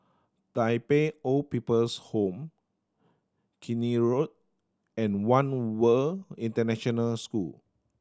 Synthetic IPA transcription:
d̥ajpeɔpipəlshõm | kʰiniɹot̚ | ɛ̃nwãnwəĩntənɛʃɔ̃nəlskul

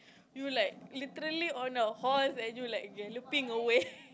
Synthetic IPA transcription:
julaɪk̚lit̪əɾəliɔ̃nahɔsɛ̃njulaɪkɛlupĩŋəwe

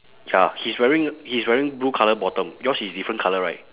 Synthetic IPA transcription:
jahiswɛɹĩŋhiswɛɹĩŋbɹukʰaləbɔtə̃mjɔshisdifɹə̃nkʰaləɹaɪt̚

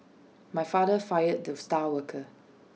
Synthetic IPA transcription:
majfadəfajəd̚dəstawəkʰə

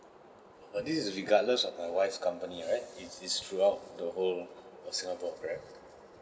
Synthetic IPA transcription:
bədissɹiɡadləsɔfmajwaɪfkʰãmpəniɔɹaɪt̚iistʰɹuaʊt̚dəholsĩŋapɔkɹat

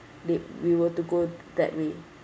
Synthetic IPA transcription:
dɛwiwətuɡodɛ̰ʔ̚we

